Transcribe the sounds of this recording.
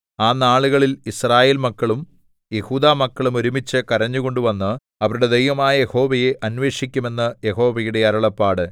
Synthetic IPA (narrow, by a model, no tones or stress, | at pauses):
aːnaːɭuɣɐɭilisraːjeːlmɐkːɐɭum | je̞huːd̪aːmɐkːɐɭumo̞ɾumit͡ɕːɨkɐrɐɲːuɣo̞ɳɖuʋɐnːɨ | ɐʋɐɾuɽe̞d̪ejʋɐmaːjɐje̞ho̞ːʋɐje̞ʔɐnʋe̞ːʂikʲːume̞nːɐje̞ho̞ːʋɐjuɽe̞ɐɾɐɭɐpːaːɽɨ